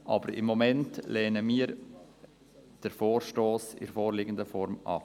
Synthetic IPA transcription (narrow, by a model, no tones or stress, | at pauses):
ʔɑ̰bəɾɪ̰mːɔmɛntlɛːnəmiːəɾ | d̥əɾfoːɾʃtoːsɪ̰ɾfoːɾlɪɡəndəfɔɾmʔɑ̰